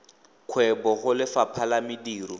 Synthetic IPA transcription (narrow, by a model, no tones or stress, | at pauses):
kʰwɛbɔɣʊlɪfapʰalamɪdiːrɔ